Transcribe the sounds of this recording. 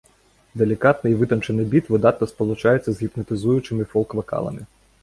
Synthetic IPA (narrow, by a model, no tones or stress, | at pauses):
d̪elʲikɑt̪nɪjʋɪt̪ɔnt͡ʃenɪbʲit̪ʋɪd̪ɑt̪nɔspɔlˠʊt͡ʃɑjet͡sʲːɐzɦʲipnɐt̪ɪzujʊt͡ʃɪmɪfɔlˠkʋɐkɑ̰lˠɐ̰mɪ